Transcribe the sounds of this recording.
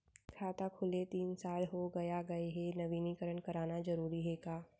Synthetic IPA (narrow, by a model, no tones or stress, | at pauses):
kʰaːt̪akʰʊlet̪iːnsaːlɦoɡɐjaɡɐeɦɛnɐʋiːnikəɾəɳkɐɾaːnad͡ʒɐɾuːɾiɦɛkaː